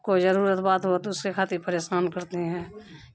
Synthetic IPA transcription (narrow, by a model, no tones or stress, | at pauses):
kod͡ʒəɾuːɾət̪baːt̪ɦoat̪oʊskekʰaːt̪ɪɾpəɾeːʃaːnkəɾt̪eɦɛ̃ː